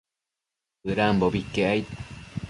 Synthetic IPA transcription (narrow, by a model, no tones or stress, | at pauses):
ɯɾambobikːeajt̪